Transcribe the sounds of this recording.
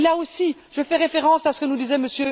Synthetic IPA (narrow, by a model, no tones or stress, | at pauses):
laosi | ʒəfɛʁefeʁɑ̃sasə̥kənud̪izɛməsjø